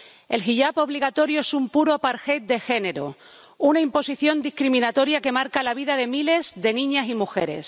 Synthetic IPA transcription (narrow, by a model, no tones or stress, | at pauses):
e̞̰lxiʎapo̞β̞liɣat̪o̞ɾjoe̞sumpuɾopaɾxet̪̚d̪e̞xe̞ne̞ɾo̰ | unaimpo̞siθjo̞nd̪ihkɾimĩnat̪o̞ɾjake̞maɾkalaβ̞iðaðe̞mile̞zðe̞nĩɲasimuxe̞̰ɾe̞̰s